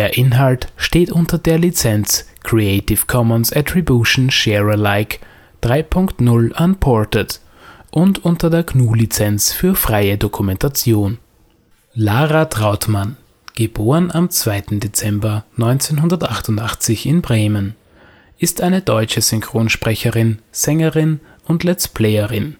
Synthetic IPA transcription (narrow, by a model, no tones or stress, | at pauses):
eːɐʔɪnɦaltʃteːtʔʊntɐdeːɐlit͡sɛnt͡skʁ̥ieɪtɪfkʰɔmənsatʁ̥ibjuʃn̩ʃeːʁəlaɪk | d̥ʁaɪpʰʊŋktnʊlanpʰɔɐtət | ʔʊntʊntɐdeːɐknuːlit͡sɛnt͡sfyːɐfʁ̥aɪədokʰumɛntʰat͡sjoːn | laːʁatʁaʊtman | ɡ̥əboːʁənʔamt͡sv̥aɪtn̩det͡sɛmbɐnɔʏnt͡senɦʊndɐtʔaχtʊntʔaχt͡sɪçɪnbʁeːmən | ʔɪstʔaɪnədɔʏt͡ʃəzʏŋkʁ̥oːnʃpʁ̥ɛçəʁɪnz̥ɛŋəʁɪn | ʊntlɛt͡spʰlɛɪəʁɪn